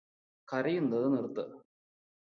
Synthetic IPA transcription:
kɐɾijund̪ɐðɨnirt̪ːɨ

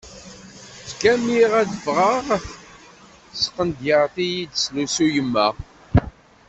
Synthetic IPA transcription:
t͡skæmiʁæðəvʁəʁ | sə̥qənd̪jəʁθijid̪slusujəmːæ

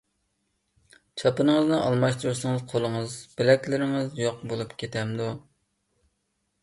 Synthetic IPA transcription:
t͡ʃʰɑpɨnəŋəznɨʔɑlˠmɑʃt̪uɾusɨŋəzqʰolˠəŋəzb̥ɪlɛkʲlɪɾɪŋɨzjoq̚bolˠupkʲʰet̪ʰɛmd̪u

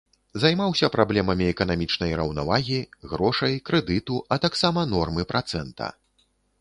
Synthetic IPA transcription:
zajmawsʲɐpɾablʲɛmɐmʲiɛkɐnamʲit͡ʂnɐjɾɐwna̰vaɣʲiɣɾɔʂɐjkɾɛd̪ɨt̪uɐt̪aksamɐnɔrmɨpɾʔat̪sɛnt̪ʰɐ̰

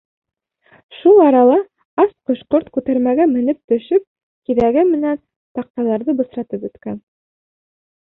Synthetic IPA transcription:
ʃulˠɑɾɑlˠɑ | ɑsqŏʃqoɾt̪kʉt̪æɾmæɡæmɘ̆nɘp̚t̪ɵ̆ʃɵp̚ | kiðæɡɘmɘ̆næn | t̪ɑq̚t̪ɑlˠɑɾðɤbɤ̆sɾɑt̪ɤpɵ̆t̪kæn

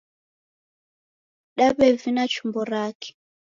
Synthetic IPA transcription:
ɗaβɛvinat͡ʃumbɔɾaːkɛ̥

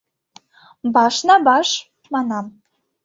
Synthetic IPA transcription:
bɑʃnɑbɑʃ | mɑnɑm

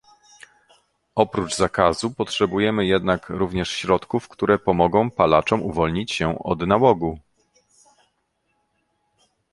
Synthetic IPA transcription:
ɔpɾud͡ʐzakazupɔtʂɛbujɛmɘjɛd̪nakɾuvɲɛʂɕɾɔt̪kufkt̪uɾɛpɔmɔɡɔ̃w̃palat͡ʂɔmuvɔlɲit͡ɕɕɛɔ̰d̪nawɔɡu

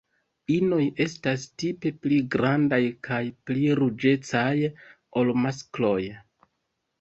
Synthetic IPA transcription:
ino̞je̞stastipe̞pliɡɾandajkʰajpliɾud͡ʒe̞t͡saj | o̞lmasklo̞j

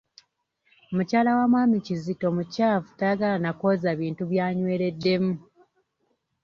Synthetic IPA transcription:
omucaːlawamwaːmicizito̞mucaːvu̥tajaɡalanako̞zaβiːntuβjaːɲwe̞ːɾe̞dːe̞mu

